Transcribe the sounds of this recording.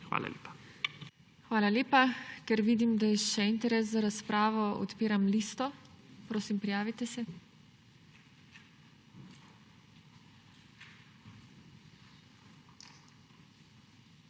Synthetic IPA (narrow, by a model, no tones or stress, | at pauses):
xʋa̰ːla̰lʲeːpḁ | xʋaːlalʲeːpakɛɾʋid̪imd̪ajɛʃɛint̪ɛɾɛszaɾaspɾaːʋɔɔ̰t̪piːɾamliːst̪ɔpɾoːsimpɾijaːʋit̪ɛsɛ